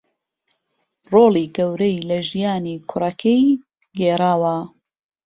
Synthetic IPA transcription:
roːliːɡɐwɾejlɐʒijaːniːkʰʊɾɐkʰej | ɡeːɾaːwɐ

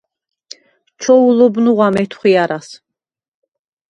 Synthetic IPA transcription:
t͡ʃʰɔulɔbnuʁamɛt̪ʰχʷiaɾas

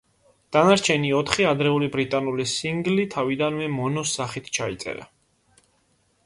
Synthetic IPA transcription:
d̪̥anaɾt͡ʃʰɛniɔt̪ʰχiad̪ɾɛulibɾit̪ʼanulisiŋɡlit̪ʰavid̪anmɛmɔnɔsːaχit̪ʰt͡ʃʰait̪sʼɛ̰ɾa̰

